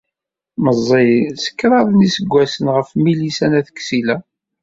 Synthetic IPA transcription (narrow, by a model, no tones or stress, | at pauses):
məzˤːisə̥kːɾˤɑðˤnisəɡʷːæsənʁəfmilisænæθə̥kːsilæ